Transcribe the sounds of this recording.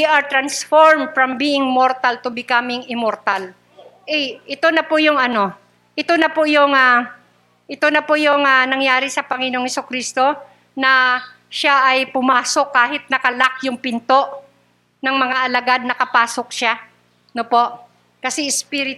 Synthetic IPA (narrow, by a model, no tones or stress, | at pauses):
iʔɐɹt̪ɾɐnsfoɹmd̪fɹɐmbiːʔɪŋmoɾt̪ɐlt̪ʊbɪkamɪŋɪmoɾt̪al | ʔɛʔɪt̪o̞nɐpʊjʊŋɐno̞ | ʔɪt̪o̞nɐpʊjʊŋa | ʔɪt̪onɐpʊjʊŋanɐŋjaːɾɪsɐpɐŋɪnoŋhɛsʊkɾiːst̪o̞ | nɐ | ʃaʔɐjpʊmaːso̞kːaːɦɪt̪̚nɐkɐlak̚jʊŋpɪnt̪o̞ʔ | nɐŋmɐŋaʔɐlɐɡad̪̚nɐkɐpaːsok̚ʃa | nopo̞ʔ | kɐsɛɪspɪɾɪt̪